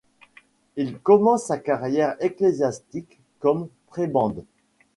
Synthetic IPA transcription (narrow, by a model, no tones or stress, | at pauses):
ilkɔmɑ̃sːakaʁjɛʁeklezjast̪ikː | ɔmpχebɑ̃d̪